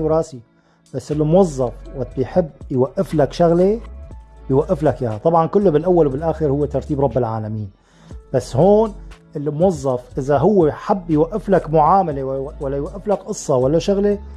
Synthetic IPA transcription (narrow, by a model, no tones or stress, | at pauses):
wɾˤɑːsi | b̥asːɪlːimʊwɑzˤːɑfwat̪bjħɪbːjwaʔːɪflakʃaɣle | bɪjwaʔːɪflakjahat̪ˤɑbʕɑnkʊlːʊbɪlʔawːalwbɪlʔaːxɪɾhʊwːet̪ɑɾˤt̪iːbɾˤɑbːɪlʕa̰ːlamiːn | b̥asːhoːnʔɪlːimwɑzˤːɑfʔɪzaɦʊwːeħɪbːjwaʔːɪflakmʊʕaːmalewwalːajwaʔːɪflakʔɨsˤːɑwalːaʃʊɣle